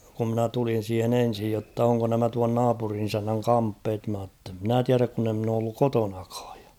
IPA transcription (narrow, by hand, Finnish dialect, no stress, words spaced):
ku mnæ tulin̞ siːhen en̞sij jotːɑ oŋko næmæ tuɑn nɑːpurin isænːæŋ kɑmpːeːt mɑˑ tːe mnæˑ tiæræk kun e mn oː olːuk kotonɑkɑ̥ːj̊ j̊ɑ̥